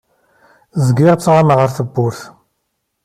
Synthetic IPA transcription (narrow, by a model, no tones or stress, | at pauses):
zəɡiʁt͡sːʁamʁəɾθəbːʊɾθ